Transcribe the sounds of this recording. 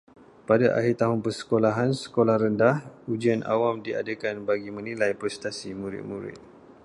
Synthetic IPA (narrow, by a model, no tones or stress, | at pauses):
padaʔa̰hiɾit̪aɦʊnpərsə̥kolaɦansə̥kolahɾəndahud͡ʒianʔa̰wamdia̰dəkanbaɡimə̃nĩlajpɾɛst̪asimũɾɪ̰t̪̚muɾɪ̰t̪̚